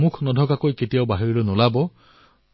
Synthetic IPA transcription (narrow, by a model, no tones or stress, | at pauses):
mukʰnɔdʱɔkakojketijaʊbaɦiɹilonɔlabɔ